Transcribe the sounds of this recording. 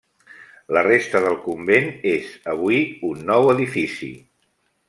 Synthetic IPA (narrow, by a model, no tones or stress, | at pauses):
lərest̪əðəlˠkumbenezəβ̞uiunːɔwəðifisḭ